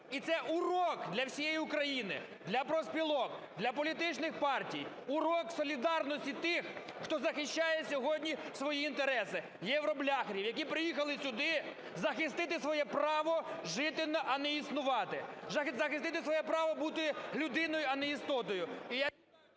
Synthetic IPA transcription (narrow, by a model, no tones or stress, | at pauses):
it̪sɛʔurɔkd̪lʲɐwsʲijejiʊkɾɐjinɪ̰ | d̪lʲɐpɾɔspʲilˠɔk̚d̪lʲɐp̬ɔlʲit̪ɪt͡ʃnɪxpɑrtʲij | ʊɾɔksɔlʲid̪ɑrnɔsʲtʲit̪ɪx | xt̪ɔzɐxɪʃt͡ʃajɛsʲɔɦɔdʲnʲisʋɔjiːnt̪eɾɛsɪ | jɛʋɾɔblʲɑxɾʲiwjɐk̬ʲipɾɪjixɐlˠɪsʲʊd̪ɪ | zɐxɪst̪ɪt̪ɪsʋɔjɛpɾɑʋɔʒɪt̪ɪnɐʔɐnɛisnʊʋɑt̪ɪzɐzɐxɪst̪ɪt̪ɪsʋɔjɛpɾɑʋɔbut̪ɪlʲʊd̪ɪnɔjʊɐnɛist̪ɔt̪ɔjʊija